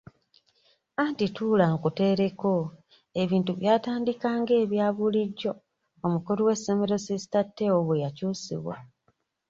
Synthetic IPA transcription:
antitulaŋkute̞ɾeko | e̞βiːntuβjaːtaːndikaːŋɡe̞ːβjaːβuliɟːo̞ː | mukoɾuwe̞someɾo̞sizi̥tatːeoβwejacuːsḭβwa̰

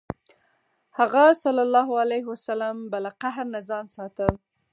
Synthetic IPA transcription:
haɣasalːɑlːɑɦalahwasalambalaqaɦɾnazɑnsɑt̪əl

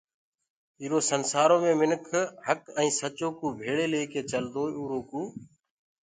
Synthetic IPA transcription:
iːɾoːsənsaːɾoːmẽːmɪnkʰhəkɛ̃ːsət͡ʃoːkũːbʱeːɭeːleːkeːt͡ʃəld̪oːuːɾoːkũː

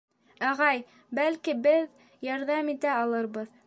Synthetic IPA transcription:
ɑʁɑj | bælkibɘð | jɑɾðɑmit̪æɑlˠɤɾβɤð

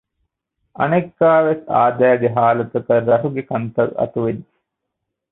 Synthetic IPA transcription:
ɐ̰nekːaːʋesa̰ːd̪æːɡeɦaːlɐt̪ukəɾɐɾuɡekɐnt̪ɐlɐ̰t̪uʋed̪ːi̥

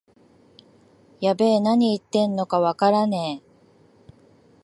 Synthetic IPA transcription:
jabe̞ːnaɲ̟iːt̪ːẽ̞nːo̞kaβakaɾane̞

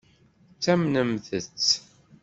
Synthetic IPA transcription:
t͡sːæmnəmθət͡sː

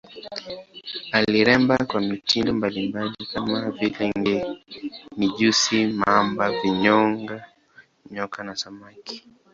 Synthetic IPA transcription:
aliɾɛmbakwamitʰindɔmbalimbalikamavilɛŋɡɛ | niʄusimaambaviɲɔŋɡa | ɲɔkanasamaki̥

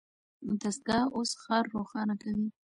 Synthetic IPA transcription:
d̪as̚ɡɑosxɑɾːoxɑnakawi

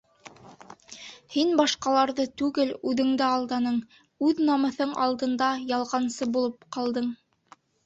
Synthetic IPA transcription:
hinbɑʃqɑlˠɑɾðɤt̪ʉɡɘlʉðɘ̆ŋd̪æɑlˠd̪ɑnɤɴ | ʉðnɑmɤ̆θɤɴɑ̰lˠd̪ɤ̆nd̪ɑjɑlˠʁɑnsɤbulˠɤpqɑlˠd̪ɤɴ

